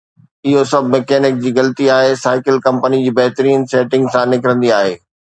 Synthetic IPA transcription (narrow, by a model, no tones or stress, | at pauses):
ɪɦosɐbʱmɛkɛːnɪk̚d͡ʑiːɣɐlt̪iaːɦesaːɪkɪlkɐ̃mpənid͡ʑiːbɐɦt̪ɾiːnseːʈɪ̃ŋɡsãnɪkɪɾə̃nd̪iaːɦeː